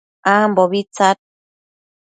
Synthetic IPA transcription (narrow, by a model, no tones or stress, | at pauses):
amboβit͡sat̪̚